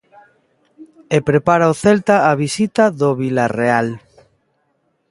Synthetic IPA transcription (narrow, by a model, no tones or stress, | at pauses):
epɾepaɾaoθelt̪aːβisit̪aðoβilareal